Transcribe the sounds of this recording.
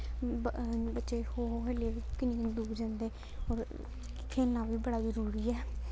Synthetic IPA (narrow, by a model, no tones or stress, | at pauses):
bətːʃeːhoːɦeːleːʋikɪnĩːnd̪uːkd͡ʒãːnd̪eː | oːɾ | kʰeːlãːʋiːbəɽaːzəɾuːɾiːɛː